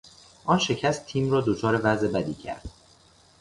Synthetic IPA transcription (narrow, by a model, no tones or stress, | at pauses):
ʔɒːnʃe̞cʰæst̪ʰiːmrɒːd̪o̞t͡ʃʰɒːɾe̞væzʔe̞bæd̪iːcʰæ̰ɾd̪̥